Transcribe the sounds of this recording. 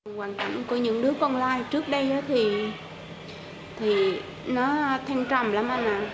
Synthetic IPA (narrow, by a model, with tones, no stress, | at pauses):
waː˨˩ŋka̰˧˨jŋ̟ku˨˩˦ɲɨ̰˧˥ŋɗɨ˨˦əkɔ˧nlaː˧jt͡ɕɨ˦˥ək̚ɗə˧jʔa˨˦t̪ʰi˨˩ | t̪ʰi˨˩ | nɔ˨˦t̪ʰɛ˧ŋt͡ɕɔ˨˩mlaː˨˦mʔaː˧mʔaː˨˩